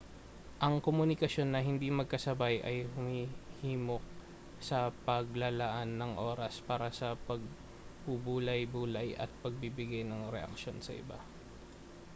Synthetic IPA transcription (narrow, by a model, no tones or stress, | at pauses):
ʔɐŋkomʊnɪkɐʃo̞nːɐɦɪnd̪imɐɡ̚kɐsɐbajʔɐjhʊmihiːmo̞k̚ | sɐpɐɡlɐlɐʔanːɐŋʔoːɾɐspaːɾɐsɐpɐɡ̚ | bubuːlɐjbuːlɐjʔɐ̰t̪̚pɐɡ̚bibɪɡajnɐŋɾɛ̰ʔɐ̰k̚ʃo̞nsɐ̰ʔɪ̰ba̰